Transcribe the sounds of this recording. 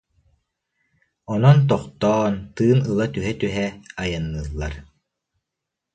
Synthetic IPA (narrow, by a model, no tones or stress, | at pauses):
ɔnɔnt̪̬ɔχt̪ɔːnt̪ɯːnɯlˠat̪yɦɛt̪yɦɛajanːɯːlˠːaɾ